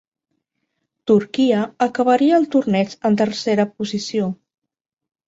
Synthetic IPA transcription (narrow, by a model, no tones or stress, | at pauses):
t̪uɾkiəəkəβəɾiəːlˠt̪urnɛt͡ʃənt̪ərseɾəpuzisio